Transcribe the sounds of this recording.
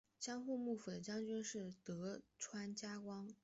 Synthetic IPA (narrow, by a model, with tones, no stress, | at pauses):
ɕjɑ˥ŋxu˥˧mu˥˩fu˨˩d̪ə˦t͡ɕjɑ˥ŋt͡ɕy˥nʂɻ̩˥˩t̪ɤ˧˥ʈ͡ʂʰwa˥nt͡ɕja˥kwɑ˥ŋ